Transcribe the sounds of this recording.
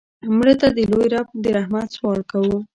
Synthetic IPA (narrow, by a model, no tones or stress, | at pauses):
mɽet̪ad̪əlojɾɑpoɾd̪əɾahmaswɑɽkawu